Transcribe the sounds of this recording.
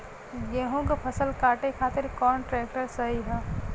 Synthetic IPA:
jeɦõkepʰəsəlkaːʈekʰaːt̪ɪɾkɔːnʈɾɛːk̚ʈəɾsəɦiɦɛː

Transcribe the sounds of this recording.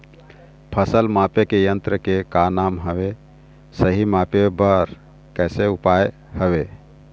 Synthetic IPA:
pʰəsəlmapekejənt̪ɾəkekanamɦəbe | səɦimapebəɾ | kəseupaj | həβe

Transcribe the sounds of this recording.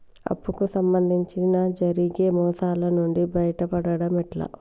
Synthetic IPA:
ɐ̰pːukusɐmbɐnd̪ʱiɲt͡ʃinɐd͡ʒɐɾiɡeːmɔːsaːlɐnuɳɖibɐjɐʈɐpɐɽɐɽɐmiʈlɐ̰

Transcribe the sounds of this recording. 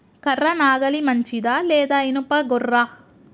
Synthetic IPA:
kɐrːɐnaːɡɐlimɐɲt͡ʃid̪aleːd̪ɐinupɐɡɔrːa

